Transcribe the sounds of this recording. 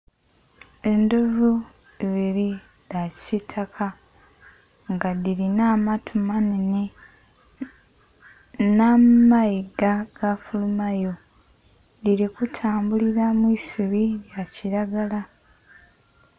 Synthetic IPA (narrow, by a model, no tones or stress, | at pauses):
e̞ndovu | eβiɾi | lasitʰakʰa | ŋɡadiɾinaːmatʰumanini | namaiɡaɡ̥afulumajo̞ | diɾikutʰaːmbuliɾamwiːsuβijaciɾaɡala